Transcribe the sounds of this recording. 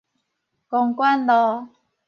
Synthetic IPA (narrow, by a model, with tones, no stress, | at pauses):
kɔ˨˩ŋkwa˥˦nlɔ˨˧˦